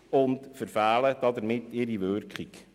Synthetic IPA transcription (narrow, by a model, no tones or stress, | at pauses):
ʊntfəɾfæːləd̥ɑd̪əɾmɪtːɪɾiʋørkχik